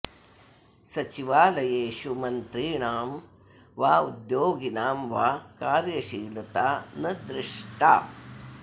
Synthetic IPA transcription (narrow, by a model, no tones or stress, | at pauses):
sɐt͡ʃiʋaːlɐjeːʃumɐnt̪ɾiːɳaːm | ʋaːud̪joːɡinaːmʋaːkaːɾjɐʃiːlɐt̪aːnɐd̪ɾɪʂʈʰa̰ː